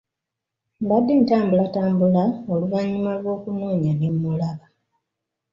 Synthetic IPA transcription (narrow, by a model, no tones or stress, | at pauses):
mbadːentaːmbulataːmbulaoluvaɲːumalwo̞ːkunuːɲanemːulaβa